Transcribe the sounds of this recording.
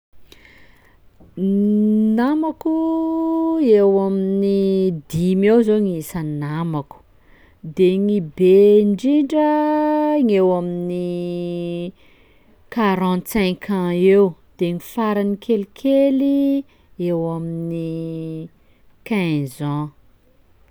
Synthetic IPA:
namaku | ewaminid̪imewzoŋisənamaku̥ | d̪eŋibeɳɖ͡ʐiɳɖ͡ʐə | ŋewamini | kaɾãnt̪sɛ̃ŋkʰãewd̪̥eŋifaɾanikʰelikʰeli | ewamini | kazɔ̃

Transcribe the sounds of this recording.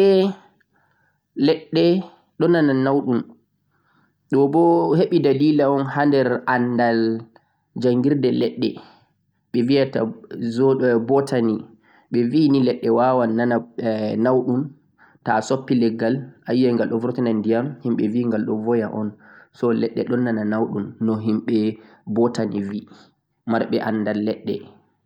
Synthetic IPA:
ɛ | lɛɗːɛ | ɗɔnananawɗun | ɗɔbɔheɓidaliːlaɔnhandɛɾanːdal | d͡ʒaŋɡiɾdɛlɛɗːɛ̰ | ɓɛvijata̰zɔbɔtʰani | ɓɛvinilɛɗːɛwawanːananawɗun | tasopːilɛɡːalajjajŋɡalɗɔvɾɔtɛnandijamhimɓɛviŋɡalɗɔvɔjaʔɔnsɔlɛ̰ɗːɛ̰ɗɔnːananawɗunːɔɦimɓɛ | bɔtanivi | maɾɓɛʔanːdalːɛɗːɛ̰

